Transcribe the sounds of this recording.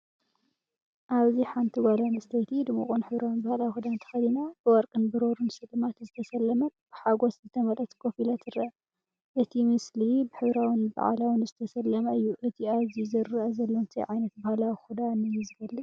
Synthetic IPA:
ʔaβziħant̪ʰiɡalanɨst̪ʰejt̪ʰid̪ɨmṵkʼunħɨβɾawɨnbahalawixud̪ant̪ʰɐ̥xɐd̪inab̥ɨwɔɾkʼɨnbɨɾoɾunsɨlɨmat̪zɨt̪ʰɐsɐlːɐmɐnb̥ɨħaɡoszɨt̪ʰɐmɐlʔɐt̪ɡʰofilat̪ɨɾɨʔɐ | ʔɨt̪ʰimɨslibɨħɨβɾawɨnba̰ʕa̰lawɨnzɨt̪ʰɐsɐlːɐmɐɨjːuʔɨt̪ʰiaβzizɨɾɐʔɐzɐlːont̪ʰḭjʕajnɐt̪̚bahalawixud̪anɨjzɨɡɐlːɨ

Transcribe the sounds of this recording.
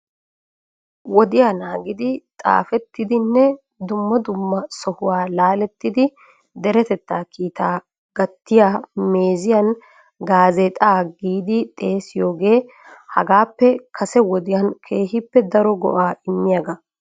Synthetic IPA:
wɔd̪ɪjaːnaːɡɪd̪ɪt̪ʼa̰ːfɛt̪ːɪd̪ɪnːɛ | d̪ʊmːɐd̪ʊmːɐsɔhʊwaːlaːlɛt̪ːɪd̪ɪ | d̪ɛɾɛt̪ɛt̪ːaːkʰiːt̪aː | ɡ̥ɐt̪ːɪjaːmeːzɪjɐn | ɡaːzeːt̪ʼaːɡiːd̪ɪt̪ʼe̞ːsɪjo̞ːɡe̞ː | hɐ̰ɡaːpːɛkʰɐsɛwɔd̪ɪjɐnkʰeːɦɪpːɛd̪ɐɾɔɡɔ̰ʔaːʔɪmːɪjɐɡɐ

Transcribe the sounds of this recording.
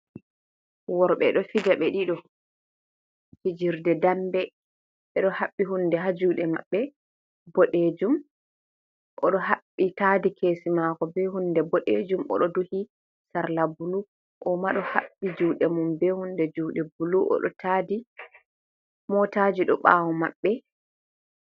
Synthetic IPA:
wɔɾɓɛ̰ɗɔfid͡ʒaɓɛɗiɗɔ | tid͡ʒiɾdɛdambɛ | ɓɛɗɔhaɓːiɦundɛɦad͡ʒuɗɛmaɓːɛ | bɔɗed͡ʒum | ʔɔɗɔɦaɓːitaːdikʰeːsimakɔbɛhundɛbɔɗḛd͡ʒumɔ̰ɗɔduhi | saɾlabulu | ʔɔmaɗɔhaɓːid͡ʒuːɗɛmumbɛhundɛd͡ʒuːɗɛbuluʔɔ̰ɗɔ̰tʰaːdi | mɔtad͡ʒiɗɔ̰ɓa̰ːwɔmaɓːɛ

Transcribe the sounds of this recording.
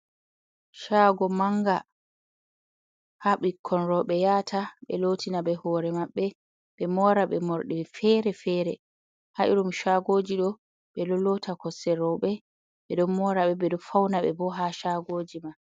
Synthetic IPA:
ʃaɡɔmaŋɡa | haɓikʰːɔnɾɔɓɛjaːtʰaɓɛlotʰinaɓɛhɔːɾɛmaɓːɛ | ɓɛmɔɾaɓɛmɔɾɗɛfɛɾɛfɛːɾɛ | haʔiɾumʃaɡoːd͡ʒiɗɔ | ɓɛɗɔlɔtʰakɔsːɛɾɔɓɛ | ɓɛɗɔnmɔɾaɓɛɓɛɗɔfawnaɓɛ̰bɔɦaʃaɡoːd͡ʒima

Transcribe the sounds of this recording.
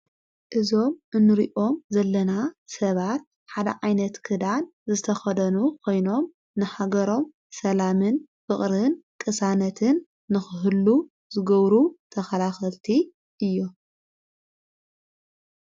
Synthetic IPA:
ʔɨzo̞mʔɨnːɨɾiʔo̞mzɐlːɐnasɐβat̪̚ | ħad̪ɐ̰ʕajnɐt̪kʰɨd̪anzɨt̪ʰɐxɐd̪ɐnukʰo̞jno̞m | nɨħaɡɐɾo̞m | sɐlamɨn | fɨχʼɾɨnkʼɨsanɐt̪ʰɨnː | ɨxɨɦɨlːu | zɨɡɐβɾut̪ʰɐxɐlaxɐlt̪ʰi | ʔɨjːo

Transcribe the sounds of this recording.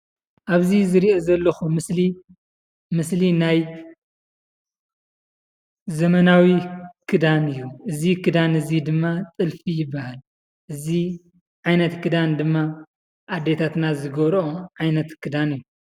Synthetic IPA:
ʔaβzizɨɾiozɐlːɐxumɨsli | mɨslinaj | zɐmɐnawikʰɨd̪anɨjːuʔɨzikʰɨd̪anɨzid̪ɨmːat͡sʼɨlfijɪbːahal | ʔɨzi | ʕajnɐt̪kʰɨd̪and̪ɨmːa | ʔad̪et̪ʰat̪nazɨɡɐβɾoʕajnɐt̪kʰɨd̪anɨjːu

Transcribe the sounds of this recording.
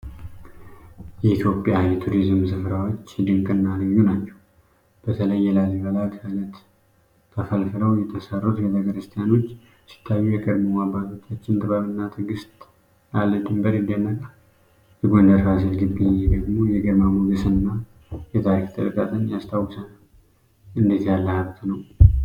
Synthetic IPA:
jɛit̪jo̞pʼjajɛt̪ʰuɾizɨmsɨfɾawo̞t͡ʃːd̪ɨŋkʼɨnːaləjːunat͡ʃːɛw | b̥ət̪ʰələjːɛlaziβəlak̪ʰajlət̪ | t̪ʰːəfəlfɨɾəwjɛt̪ʰəsarːot̪ɡet̪ʰəkəɾɨst̪ʰijano̞t͡ʃː | si̥t̪ʰːajːujɛkʼəd̪momabat̪ot̪ʰat͡ʃːɪnd̪ɨβaβɨnːat̪ʰɨɡɨst̪ʼ | alːəd̪ɨmbəɾɨnd̪ianːəkʼa | jɛɡo̞nd̪əɾfasilɡɨbːiɲːed̪əɡmo̞jɛɡəmamuɡɨsɨnːa | jɛt̪ʰaɾikt̪ʰʼɨ̰lkʼat̪ʼʰəɲːjast̪ʰawːsənəw | ɨnd̪et̪jalːəhaβt̪ʰnəw

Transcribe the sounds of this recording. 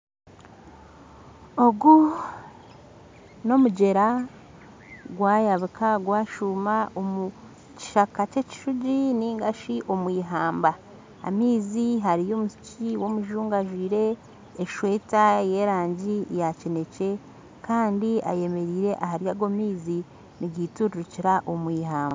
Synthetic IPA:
oɡu | no̞muɟe̞ɾa | ɡwaːjaβikaɡwaːʃumaomu | ci̥ʃakace̞ci̥ʃuɟiniŋɡaʃiʔo̞mwiːɦaːmba | a̰miːziɦaɾijo̞ːmusciwo̞muʒuːŋɡaʒwiːɾe̞ː | ʃwe̞taje̞ːɾaːɲɟijacine̞ce̞ | kaːndia̰je̞me̞ɾiːɾe̞ʔahaɾjaɡomiːzi | niɡiːtuɾuɾuciɾaʔomwiːhaːmba

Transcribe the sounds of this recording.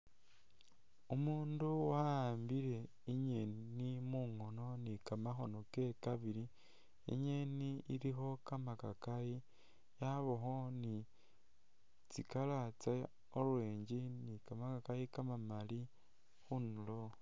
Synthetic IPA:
umuːnduwaambiɾe̞ | iɲennimuŋo̞no̞nikamaxo̞no̞ke̞kaβiɾi | ḭɲeniiɾixo̞kamakakaji | jaβoxo̞ni | t͡sikalat͡sa | olweːɲɟinikamakakajikamamali | xunulo

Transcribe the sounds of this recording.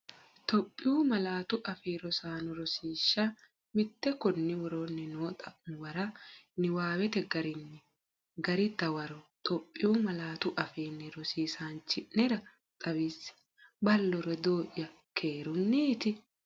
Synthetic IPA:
t̪ɔpʼːɪjuːmɐlaːt̪ʊʔɐfeːɾɔsaːnʊɾɔsiːʃːɐ | mɪt̪ːɛkɔnːɪwɔɾonːɛnoːt̪ʼɐwɐɾɐnɪwaːwɛt̪ɛɡɐɾɪnːɛ | ɡɐɾɪd̪ɐwɐɾɔt̪ʼɔpʼːɪjuːmɐlaːt̪ʊʔɐfeːnːɪɾɔsiːsaːnt͡ʃːɪnɛɾɐ | t̪ʼɐwisɪ̥ | bɐlːɔɾɔd̪oːʔjɐ | kʰe̞ːɾʊnːit̪ɪ

